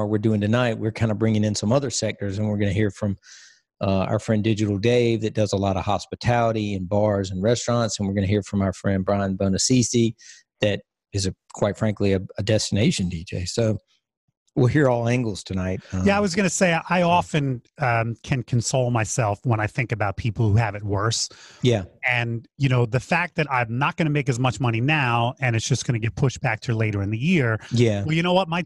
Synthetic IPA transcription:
əwɪɹdʉɪ̃ŋtʰɨnaɪt̚wɪɹkʰãɪ̃ndəbɹɪ̃ŋɪ̃ŋɨ̃nsʌ̃mʌðə˞sɛk̚tə˞zɨ̃nwɪɹɡʌñɨhiɹfɹʌ̃m | a̰ʊə˞fɹɛ̃ndɪd͡ʒɨɾl̩ˠdeɪvðɨt̚d̥ʌzəlɔɾə̥hɑspɨtʰælˠəɾiɨ̃nbɑɹzɨ̃n̩ɹɛstɹ̥ɑ̃ntsnwɨɹɡʌnɨhiɹfɹʌ̃maʊə˞fɹɛ̃nd̚bɹãɪə̃nbõʊ̃nɨsisi | ðɨɾ | ɨzɨkʰw̥aɪtfɹæ̃ŋkliɨɨdɛstɨneɪʃɨ̃n̩did͡ʒeɪsoʊ | wɪlˠhiɹɔlˠæ̃ŋɡl̩ˠz̥tʰɨnaɪt̚jæaɪwʌzɡʌnɨseɪʔaɪɑfɨ̃nʌ̃mkʰɨ̃nkʰɨ̃nsoʊlˠmaɪsɛlˠfwə̃ɾ̃aɪθɪ̃ŋkɨbaʊt̚pʰipl̩ˠhuɨvɨt̚wɜ˞sjæɨ̃njɨñoʊðɨfæk̚ðɨɾãɪ̃mnət̚ɡ̥ʌñɨmeɪk̬ɨzmʌt͡ʃmʌñinaʊɨ̃ñɨtsd̥ʒ̥ʌsɡ̥ʌñɨɡɛt̚pʰʊʃb̥æk̚tʰə˞leɪɾə˞ɨ̃nðɨjɪɹjæwɛlˠjɨñoʊwʌt̚maɪ

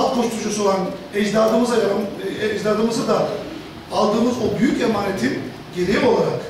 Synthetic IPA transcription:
t̪̚buʃt̪ʰuʃusolˠanɛd͡ʒd̪aːd̪ɯmɯzaaɛd͡ʒd̪aːɾd̪ɯmɯzɯd̪aː | lˠd̪ɯːmɯzo̞byjyce̞maːnet̪ʰin | ɟe̞ɾejipo̞lˠaɾak

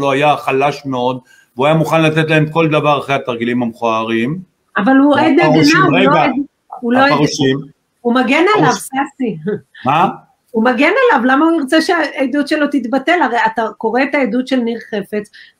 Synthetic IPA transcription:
loajaχalaʃmeo̞d̪ | veuajamuχanlat̪et̪laemko̞ld̪avaʁaχʁejat̪aʁɡilimhamχoaʁim | avalued̪nedinaueoed̪ | uloeʃim | umaɡenalavasia | umaɡe̞nalavlamauniʁt͡seʃeaed̪ut̪ʃelo̞t̪it̪bate̞laʁejat̪ako̞ʁeːt̪aedud̪ʃelniʁχe̞fe̞t͡s

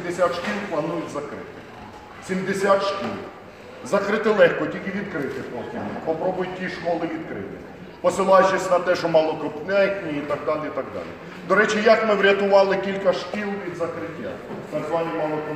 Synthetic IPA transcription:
d̪esʲat̪ʃkʲilˠplˠɐnujʊtʲzɐkɾɪ̰t̪ɪ | sʲimd̪esʲat̪ʃkʲḭl | zɐkɾɪt̪ɪlˠɛxkɔtʲilʲkɪʋʲid̪kɾɪt̪ɪpɔtʲipɔpɾɔbʊjʊtʲːiʃkɔlˠɪʋʲid̪kɾɪ̰t̪ɪ̰ | pɔsɪlˠɑjt͡ʃesʲnɐt̪ɛʃɔmɑlˠɔkɔpnɛknʲiit̪ɐɡ̚d̪ɑlʲɪit̪ɐɡ̚d̪ɑ̰lʲḭ | d̪ɔɾɛt͡ʃijɐkmɪwɾʲɐt̪ʊʋɑlˠɪkʲilʲkɐʃkʲilˠʋʲid̪zɐkɾɪtʲːa̰ | t̪ɐɡzʋɑnʲimɑlˠɔkɔ

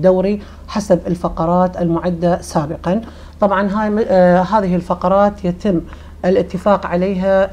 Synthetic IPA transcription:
d̪awɾi | ħasabɪlfɑqɑɾˤɑːt̪ɪlmʊʕad̪ːasaːbɪqɑn | t̪ˤɑbʕɑnɦaɦaːðɪɦɪlfɑqɑɾˤɑːt̪jat̪ɪmː | ʔɪlʔɪt̪ːɪfaːqʕaleːɦa

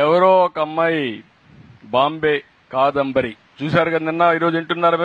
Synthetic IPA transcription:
ɛʋɐɾoːkɐmːɐj | baːmbeː | kaːd̪ɐmbɐɾi | t͡ʃuːsaːɾukɐɐninːɐiːɾo̞ːd͡ʒiɳʈunːaːɾɐmː

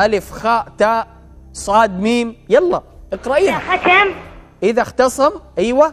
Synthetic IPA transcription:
ʔalɪfxaːʔt̪aːʔ | sˤɑːd̪miːmjɑlˤːɑʔɪqɾaʔiːnaatam | ʔɪðaxt̪ɑsˤɑmʔiːwa

